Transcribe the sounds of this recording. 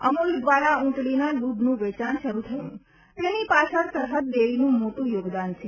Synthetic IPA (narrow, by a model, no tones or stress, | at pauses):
əmuld̪ʋaɽaũʈɭinaɖubʱnũʋɛt͡ʃanʃəɾut̪ʰəjṵ̃ | t̪enipat͡ʃʰəɾsəɾɦət̪̚d̪eʋinũmoʈũjoɡd̪ant͡ʃʰe